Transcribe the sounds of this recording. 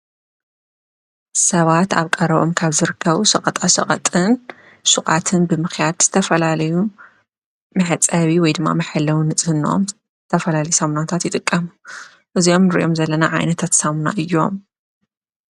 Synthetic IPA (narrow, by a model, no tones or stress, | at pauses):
sɐβat̪a̰βkʼɐɾɐβo̞̰mkʰaβzɨɾɨkʰːɐβusɐχʼɐt̪ʼasɐχʼɐ̰t̪ʼɨn | sɨχʼat̪ʰɨnbɨmɨxjad̪z̥ɨt̪ʰɐfɐlalɐju | mɨħɨt͡sʼɐβiwɔjd̪ɨmːa̰mɨħalːɐwunɨt͡sʼhɨno̞̰m | t̪ʰɐfɐlalɐjusɐmunat̪ʰat̪jɪt̪ʼɨkʼːɐmu | ʔɨzio̞mnɨɾʔo̞mzɐlːɐna̰ʕa̰jnɐt̪ʰat̪sɐmuna̰ʔɨjːo̞̰m